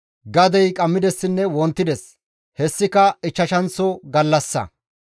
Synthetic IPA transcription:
ɡɐd̪ɛjkʼɐmːɪd̪ɛsːɪnːɛwɔnt̪ːɪd̪ɛs | hɛsːɪkɐɪt͡ʃːɐʃɐnt͡sːɔɡɐlːɐsːɐ̰

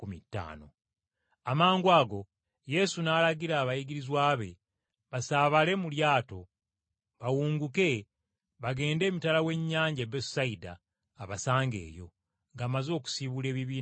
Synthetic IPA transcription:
kumitːa̰ːno̞̰ | amaːŋɡwaːɡo̞ | je̞sunaːlaɡiɾaːβajiɡiɾizwaːβe̞̰ | βasaːβale̞muljaːto̞ | βawuːŋɡuke̞ | βaɡe̞ːnde̞ːmitalawe̞ɲːaːɲɟebesaida̰ː | βasaːŋɡe̞̰ːjo̞̰ | ŋɡaːmazo̞ːku̥siβule̞ːβiβiːn

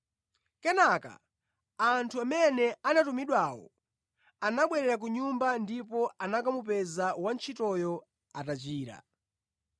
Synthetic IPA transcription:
kɛnaka̰ | antʰuamɛnɛanatumiɗwaːwɔ̰ | anaɓwɛɾɛɾak̬uɲumbandipɔanak̬amup̬ɛzawant͡ʃʰitɔjɔ | atat͡ʃiːɾa̰

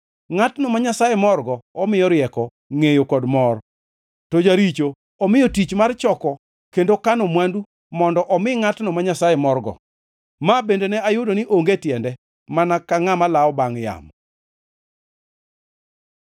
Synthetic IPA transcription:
ŋatnɔmaɲasajemɔrɡɔɔmɪjɔɾjɛkɔ | ŋejokɔdmɔr | tod͡ʒaɾit͡ʃo | ɔmɪjɔtit͡ʃmart͡ʃɔkɔ | kendokanomwandu | mɔndɔʔɔmɪŋatnɔmaɲasajemɔrɡɔ̰ | mabendenɛajʊdonɪʔoŋɡetjɛndɛ | manakaŋamalaɔbaŋja̰m

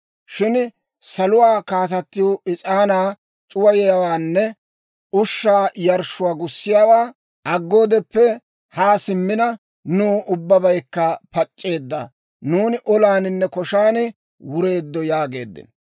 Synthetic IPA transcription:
ʃɪn | sɐlʊwaːkaːt̪ɐt̪ːɪjoɪt͡ʃʼaːnaː | t͡ʃʼʊwɐjɛjɐwaːnːɛ | ʊʃːaːjɐɾʃʊwaːɡʊsːɪjaːwaː | ʔɐɡːo̞ːd̪ɛpːɛ | haːsɪmːɪnɐ | nuːʔʊbːɐbɐjkːɐpɐt͡ʃʼːe̞ːd̪ːɐ̰ | nuːnɪʔɔlaːnɪnːɛkɔʃaːnɪ | wʊɾe̞ːd̪ːɔjaːɡe̞̰ːd̪ːɪ̰n

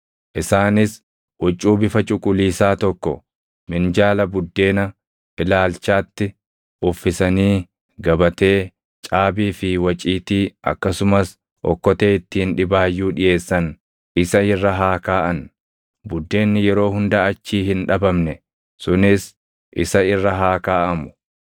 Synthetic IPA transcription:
ʔɪsaːnɪs | wɔt͡ʃʼːuːbɪfɐt͡ʃʼʊkʼʊliːsaːt̪ɔkːɔ̰ | mɪnd͡ʒaːlɐbʊd̪ːe̞ːnɐ | ʔɪlaːlt͡ʃaːt̪ːɪ | ʔʊfːɪsɐniː | ɡɐbɐt̪e̞ː | t͡ʃʼaːbiːfɪwɐt͡ʃʼiːt̪iːʔɐ̰kːɐsʊmɐs | ʔɔ̰kːɔt̪e̞ːɪt̪ːɪɪnᶑɪbaːjːuːᶑɪje̞ːsːɐn | ɪsɐɪrːɐɦaːkaːʔɐn | bʊd̪ːe̞ːnːɪjɛɾo̞ːɦʊnd̪ɐɐt͡ʃːiːhɪnᶑɐbɐmnɛ | sʊnɪs | ʔɪ̰sɐɪrːɐɦaːkaːʔɐmʊ̥

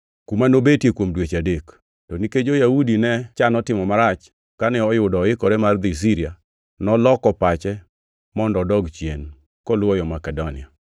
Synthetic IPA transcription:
kumanobetjekwomdwet͡ʃadek | toniked͡ʒojaudinɛt͡ʃanɔtɪmɔmaɾat͡ʃ | kanɛɔjʊdɔɪkɔɾɛmard̪is̬iɾia | nɔlɔkɔpat͡ʃɛ | mɔndɔdɔɡt͡ʃjen | kɔlwɔjɔmakɛdɔnɪ̰a

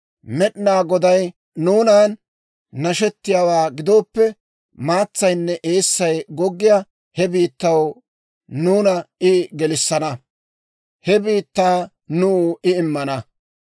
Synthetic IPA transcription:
mɛɗnaːɡɔd̪ɐj | nuːnaːnː | ɐʃɛt̪ːɪjaːwaːɡɪd̪oːpːɛ | maːt͡sːɐjnːɛʔeːsːɐjɡɔɡːɪja | hɛbiːt̪ːɐw | nuːnɐɪɡɛlɪsːɐnɐ | hɛbiːt̪ːaː | nuːɪɪmːɐnɐ

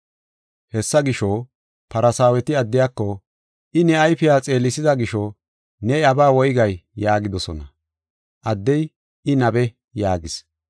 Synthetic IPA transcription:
hɛsːɐɡɪʃo | pɐɾɐsaːwɛt̪ɪɐd̪ːɪjaːkːɔ | ʔɪnɛɐjfɪjaːt͡sʼe̞ːlːɪsɪzɐɡɪʃɔ | nɛɐbaːwɔjɡɐjːaːɡɪd̪ɔsɔ̰nɐ | ʔɐd̪ːɛj | ɪnɐbɛ | jaːɡɪs

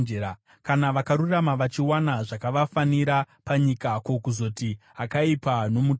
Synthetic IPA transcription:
ea | kanaʋakaɾuramaʋat͡ʃiwanaʐakaʋafaniɾa | paɲikako̞kuzo̞tiakaipano̞mu

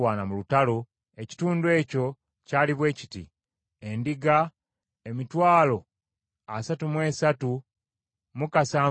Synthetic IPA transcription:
waːnamulutalo | e̞ci̥tuːnduwe̞ːco̞ | caːliβwe̞ːci̥tḭ | e̞ndiɡa | emitwaːlo̞ | a̰satumwe̞ːsatu | mukasaː

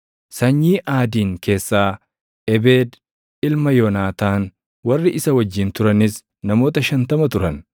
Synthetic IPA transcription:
sɐɲːiːʔaːd̪iːŋke̞ːsːaː | ʔɛbe̞ːd̪ | ɪlmɐjɔnaːt̪aːn | wɐrːɪʔɪsɐwɐd͡ʒːɪnt̪ʊɾɐnɪs | nɐmo̞ːt̪ɐʃɐnt̪ɐmɐt̪ʊɾɐn

